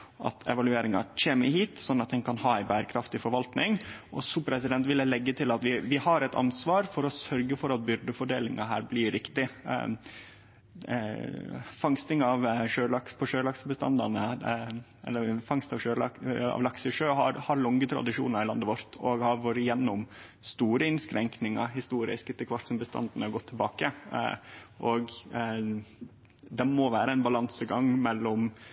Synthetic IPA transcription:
ʔɑ̰t̪ʰɛ̰ʋɑlʉeːɾɪŋɑ̰c͡çʰeːməhiːt̪sɔnːɑt̪̚d̪ɛnkʰɑnhɑːæɪbæːɾəkʰɾɑft̪ɪfɔɾʋɑlt̪nɪŋʔɔ̰sɔpʰɾɛsɪd̪ɛnt̪ʋɪld̪ɛlɛɡːət̪ʰɪlɑt̪ʋɪʋɪhɑɾɛt̪ʰɑ̰nsʋɑːɾfɔɾɔsœɾɡəfɔɾɑt̪̚bʏɾd̪əfɔɖeːlɪŋʔɑɦæ̰ːɾblɪɾɪkt̪ɪ̰ | fɑŋst̪ɪŋɑʋʂøːlɑkspʰɔʂøːlɑksbəst̪ɑ̰nd̪ɑnəæɾ | ɛ̰lːəfɑŋst̪ɑʋøːlɑɑ̰ʋlɑksəʂøːɦɑ̰ɾhɑɾlɔŋət̪ʰɾɑ̰d̪ɪʂṵːnəɑɾɪlɑnd̪əʋɔɾt̪ʰɔɡhɑɾʋoɾɪjɛnːʊm | st̪uːɾəɪnskɾɛŋknɪŋɑɾɦɪst̪uːɾɪ̰skɪt̪ːəkʰʋɑʈ̪sɔmbəst̪ɑ̰nd̪nəɔɡɔt̪ʰːɪlbɑːkə | ʔɔɡ | d̪ɛmɔʋæːɾəæɪnbɑlɑnsəɡɑŋmɛlːɔm

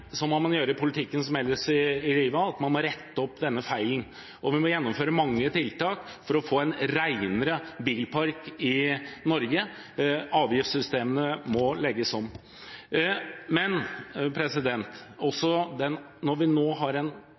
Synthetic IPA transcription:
sɔmɔmɑnjøːɾəpʰʊlɪt̪ʰɪkːənsɔmjɛlːəʂɪɪliːʋəɑɑt̪mɑnmɔɾɛt̪ːəɔpːd̪ɛnːəfæɪln̩ | ʔɔʋɪmɔjɛnːɔmføːɾəmɑŋːət̪ʰɪlt̪ɑːkfɔɾɔfoːɛnɾæɪnəɾəbiːlpʰɑɾkɪnɔɾɡə | ɑːʋjɪft̪sʏst̪eːmənəmɔlɛɡːəsɔmː | mɛnpʰɾɛsɪd̪ɛnt̪ɔsːɔd̪ɛn | nɔɾʋɪnoːɦɑɾɛn

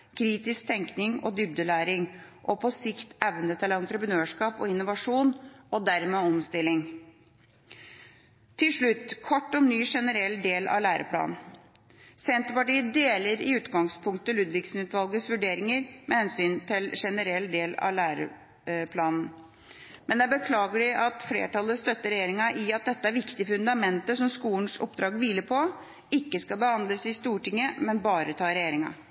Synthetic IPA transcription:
kʰɾiːt̪ɪskt̪ʰɛŋknɪŋɔ̰d̪ʏb̚d̪əlæːɾɪŋʔɔpʰɔsɪkt̪ɛʋənət̪ʰɪlɑnt̪ɾəpɾənøːʂkɑːpɔ̰ɪnːʊʋɑʂuːnɔd̪æɾmeːɔmst̪ɪlːɪŋ | t̪ʰɪlʂɭʉt̪ːkʰɔʈːɔnyːʂɛnəɾɛld̪eːlɑ̰ʋlæːɾʔə̰pʰlɑ̰ːnn̩ | sɛnt̪əpɑʈiːəd̪eːləɾɪʉːt̪ɡɑŋspʰʊŋk̚t̪əlʉd̪ʋɪksn̩ʉːt̪ʰʋɑlɡəsʋʉɖeːɾɪŋəɾmʔɛhɛnsyːnt̪ʰɪlʂɛnəɾɛlːd̪eːlɑ̰læːɾə̰ | pʰlɑːnn̩ | mɛnd̪ɛæbəkʰlɑːɡəɖɪʔɑt̪flḛːʈɑləst̪œt̪ːəɾɛjeːɾɪŋɑʔɪɑt̪̚d̪ɛt̪ːəæɾʋɪkt̪ɪəfʉnd̪ɑmɛnt̪əsɔmskuːənsɔ̰pd̪ɾɑːɡʋiːləɾpʰɔ | ɪkːəskɑlbəhɑnd̪ləsɪst̪uːʈɪŋːəmɛnbɑːɾət̪ʰɑːɾɛjeːɾɪŋɑ̰

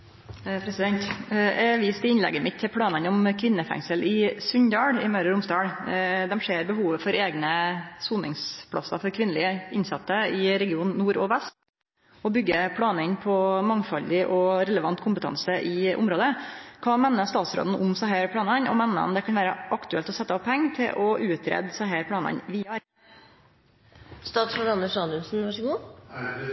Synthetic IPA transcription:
pʰɾɛsɪd̪ɛnt̪ɛʋiːst̪ɪɪnlɛ̰ɡːəmɪt̪ʰːɪlpʰɽɑːnənɔmkʰʋɪnːəfæ̰ŋsəlʔɪsʉɲd̪ɑːɽɪmœɾəɾʊmsd̪ɑːɽd̪ɛmʂeːɾbəɦuːʋəfɔɾeːɡnəsuːnɪ̰ŋspʰɽɑ̰sɑ̰fɔɾkʰʋɪnəlɪəɪnsɑt̪ːəɪɾɛɡɪuːnːuːɾɔʋɛst̪ | ɔbʏɡːəpʰɽɑːnəɪnpʰɔmɑŋfɑld̪ɪʔɔɾɛləʋɑnt̪kʰʊmpət̪ʰɑ̰nsəʔɪʔʊ̰mɾoːd̪əkʰɑːmɛnːəst̪ɑːt̪sɾo̰ːd̪n̩ʔʊmsɑɦæːɾpʰɽɑːnɑɲɔ̰mɛnːəɔ̰md̪ɛkʰɑnʋæːɾəʔɑkt̪ʉɛlt̪ɔsɛt̪ːəɔpʰːɛŋːt̪ʰɪlʔɔʔʉːt̪ʰɾɛ̰d̪sɑɦeːɾpʰɽɑːnɑ̰ɲʋiːɑ | st̪ɑːt̪sfɔnɑnəʂɑnʉnsn̩ʋɑʂəɡuː

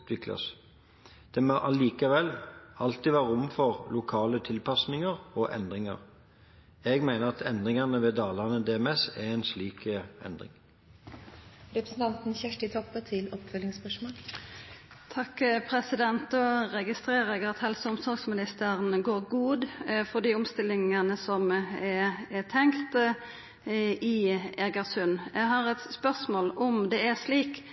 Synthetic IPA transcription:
t̪ʋɪklɑ̰s | d̪̥ɛmɔʔɑliːkəʋɛlːɑlt̪ɪʋæːʁəʊmfɔʁlʊkʰɑːlət̪ʰɪlpɑsnɪŋəʁɔʔɛ̰nd̪ʁɪŋə̰ʁ | ɛɡmæɪnəʁɑt̪ʰɛnd̪ʁɪŋɑnəʋɛd̪ɑːlɑʁnəd̪ɛɛmɛsɛʁɛnsliːkəʔɛ̰nd̪ʁɪ̰ŋ | ɾɛpɾəsn̩t̪ɑnt̪n̩çæʂʈɪt̪ʰɔpːət̪ʰɪlɔpfœlːɪŋspœʂmoːl | t̪ʰɑkːpʰɾɛsɪd̪ɛnt̪ɔɾɛɡɪst̪ɾeːɾʁəɛɡɑt̪hɛlsəʊmsɔɾɡsmɪnɪst̪əʁənɡoːɾɡuːd̪fɔd̪iːʊmst̪ɪlːɪŋənəsɔmɛɛt̪ʰɛŋkt̪ | ɪɛɡəʁsʉnjɛɡɦɑɾɛt̪spœʁsmoːlʊmd̪ɛæʂliːk

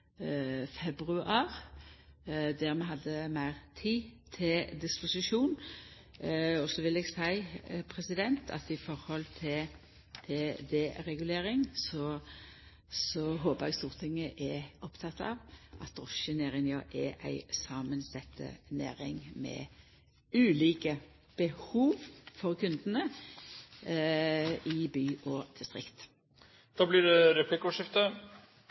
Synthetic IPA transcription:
fɛbʁʉʔɑːʁ | d̪æʁmɛɦɑd̪ːəmæɪʁt̪ʰiːt̪ʰɪld̪ɪspʊsɪʃuːn | ɔsɔʋɪlɛɡsæɪpʰʁɛsɪd̪ɛnt̪ʰɑ̰t̪ɪfɔɾhɔlt̪ʰɪ | t̪ʰɪd̪ɛɾɛɡʉleːɾɪŋsɔ | sɔɦoːbəʁɛɡst̪uːʁt̪ʰɪŋːəʔɛʔɔpt̪ʰɑt̪ːɑ̰ʋʔɑt̪̚ʁɔʃənæːʁɪŋjɑʔɛʔæ̰ɪsɑːmənsɛt̪ʰːə̰næ̰ːʁɪŋmɛ̰ | ʉːliːkə | b̥əhuːʋfɔʁkʰʉnd̪ənə | ɪbyːʔɔd̪̥ɪst̪ʁɪkt̪ | d̪̥ɑːblɪɖɛɾɛpʰlɪkːəɔʂɪft̪ə

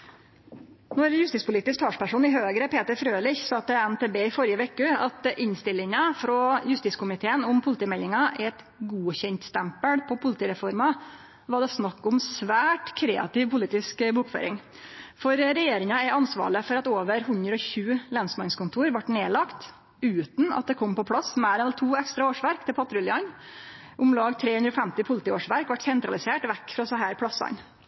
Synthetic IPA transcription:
nɔɾjʉst̪iːtspʰʊliːt̪ɪsk̚t̪ʰɑːʂpæʂuːnɪɦøːɡɾəpʰeːt̪əɾfɾøːlɪçsɑːt̪ɛɛnt̪ʰeːbeːɪfɔɾjəʋɛkəɑt̪ʔɪnst̪ɪlːɪŋɑfɾɔjʉst̪iːtskʰʊmɪt̪ʰeːənʊmpʰʊlɪt̪iːmɛlːɪŋɑʔɛt̪ | ɡuːçɛnt̪st̪æmpəɽpʰɔpʰʊlɪt̪iːɾɛfɔɾmɑ | ʋɑɖɛsnɑkːʊmsʋæːʈkʰɾeːɑ̰t̪ɪʋpʊliːt̪ɪskbuːkfø̰ːɾɪŋ | fɔɾɾɛjeːɾɪŋɑɛʔɑnsʋɑ̰ːɭəfɔɾɑt̪oːʋəɾɦʉnd̪ɾəɔçʉːlɛnsmɑnskʊnt̪ʰuːɾʋɑʈːneːlɑkt̪ | ʉːt̪n̩ɑ̰t̪̚d̪ɛkʰɔmːpɔpʰɽɑsmæːɾɛnɑt̪ʰuːɛkst̪ɾɑoːʂʋæɾkt̪ʰɪlpʰɑt̪ɾʉljɑn | ʔʊmlɑːɡt̪ʰɾeːhʉnd̪ɾɔfɛmt̪ɪpʰʊlɪt̪ɪːoːʂʋæɾkʋɑʈsɛnt̪ɾɑlɪseːʈʋɛkːfɾɑsɑɦæːɾpʰlɑsɑ̰n

